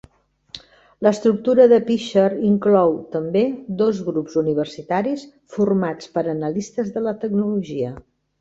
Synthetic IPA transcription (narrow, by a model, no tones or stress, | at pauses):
ləst̪ɾuk̚t̪uɾəðəpiʃəɾiŋklɔwt̪əmbed̪ozɣɾupzuniβ̞ərsit̪aɾis | furmat͡spəɾənəlist̪əzðələt̪əɡnuluʒiə